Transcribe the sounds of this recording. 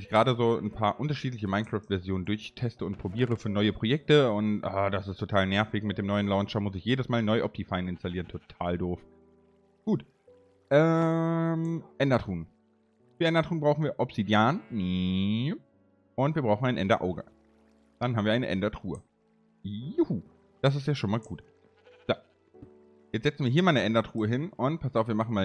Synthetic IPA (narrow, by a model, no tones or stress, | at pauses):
ɪçɡ̥əʁaːdəzoːnpʰaːɐʔʊntɐʃiːt̬lɪçəmaɪnkʁ̥aːftv̥ɛɐzjoːnəndʊɐçtʰɛstəʊntpʁ̥obiːʁ̞əfyːɐnɔʏəpʁ̥ojɛk̚təʊntʔaːdasɪstʰotʰaːlnɛɐfɪçmɪt̚d̥eːmnɔʏənlaʊnt͡ʃɐmʊsɪçjeːdəsmaːlnɔʏʔɔp̚d̥ifaɪnɪnstaliːʁəntʰotʰaːldoːf | ɡ̥uːt | ʔɛ | mʔɛndɐtʁ̥uːn | fyːɐɛndɐtʁ̥uːnbʁaʊxn̩viːɐʔɔpsidjaːnni | ʔʊntv̥iːɐbʁaʊxn̩aɪnʔɛndɐʔaʊɡə̰ | d̥anɦaːmviːɐaɪnə̰ʔɛ̰ndɐtʁ̥uːə̰ | uu | d̥as̬ɪs̬tjaːʃoːnmaːlɡuːt | z̥o | jɛt͡stz̥ɛt͡sn̩viːɐɦiːɐmaːlnəʔɛndɐtʁ̥uːəɦɪnʊnt̚pʰastaʊfviːɐmaχn̩maː